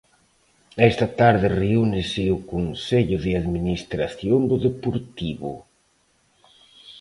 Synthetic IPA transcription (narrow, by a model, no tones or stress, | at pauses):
ɛst̪at̪aɾðɪreunɪsɪʊkonseʎʊðɪaðminist̪ɾaθjond̪ʊðepoɾt̪iβʊ̰